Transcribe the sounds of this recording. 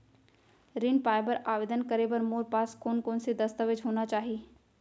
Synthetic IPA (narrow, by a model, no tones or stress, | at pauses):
ɾɪnpaːbəɾaːʋeːd̪ənkəɾebɐɾmoːɾpaːskoːnkoːnsed̪ɐst̪əʋɪd͡ʒɦoːnat͡ʃaːɦieː